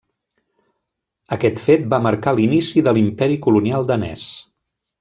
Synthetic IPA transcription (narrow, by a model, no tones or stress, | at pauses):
əkɛt̪fet̪̚baməɾkalinisiðəlimpɛɾikulunialˠd̪ənɛ̰s